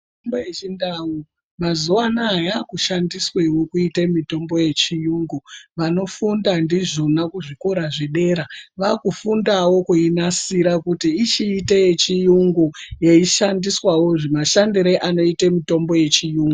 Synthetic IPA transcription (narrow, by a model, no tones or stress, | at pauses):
tombojet͡ʃindawu | mazuwanaːjakuʃandiswewokuitemito̞mbo̞je̞t͡ʃijuːŋɡuʋano̞fundandiʐo̞nakuʐiko̞ɾaʐiɗe̞ɾaʋakufundawo̞kuinasiɾakutiːt͡ʃiːtejet͡ʃijuŋɡujeiʃandiswawo̞ʐemaʃandiɾeʔano̞itemito̞mbo̞je̞t͡ʃijuːŋɡu